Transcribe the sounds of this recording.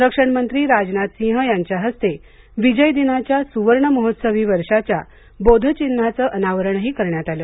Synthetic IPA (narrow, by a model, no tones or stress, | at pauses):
ɾəkʂəɳmənt̪ɾiːɾad͡znat̪sĩɦəjaɲt͡ɕjaɦəst̪e | ʋid͡ʑəjd̪inat͡ɕjasuʋəɾɳəməɦot̪səʋiːʋəɾʂat͡ɕja | bod̪ʱət͡ɕinːat͡səːʔənaʋəɾəɳɦiːkəɾɳjat̪aləː